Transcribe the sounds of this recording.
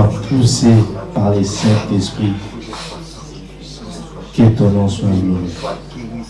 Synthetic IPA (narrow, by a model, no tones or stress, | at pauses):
apʰusepaʁlesɛ̃t̪ɛspχi | ket̪ɔnɑ̃sɔ̃ɡlɔe